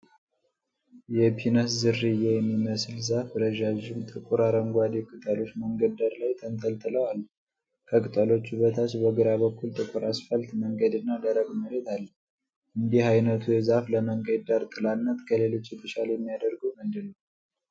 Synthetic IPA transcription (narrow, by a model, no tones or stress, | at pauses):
jɛpʰinəszɨrːɨjɛjɛmːiməslzafɾəʒaʒɪmt̪ʼɨkʼuɾaɾəŋɡʷad̪ikʼɨt̪ʼəlo̞t͡ʃːməŋɡəd̪əɾlajt̪ʰənt̪ʰəlt̪ʼɨləwalː | kʰəkʼɨt̪ʼəlo̞t͡ʃːuβət̪ʰat͡ʃbəɡɨɾaβəkːult̪ʼɨkʼuɾasfəlt̪məŋɡəd̪ɨnːad̪əɾəɡməɾet̪ʰalː | ʔɨnd̪ihajnət̪ʰujɛzafləməŋɡəd̪aɾt̪ʼɨlanːət̪kʰəle̞lo̞t͡ʃːɨt̪ʼɨʃaljɛmːijad̪əɾɡəwmɨnd̪ɨnəw